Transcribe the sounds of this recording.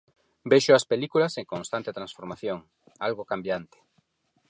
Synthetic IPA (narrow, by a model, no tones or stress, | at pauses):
beʃoɐspelikulaseŋkonst̪ant̪et̪ɾãnsfoɾmaθjoŋ | alɣokambjant̪e̥